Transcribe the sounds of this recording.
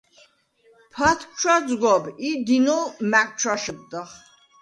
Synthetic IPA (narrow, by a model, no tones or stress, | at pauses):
pʰat̪̚ʰt͡ʃʰwazɡʷabid̪inɔlmak̚ʼt͡ʃʰwaʃəb̚d̪aχ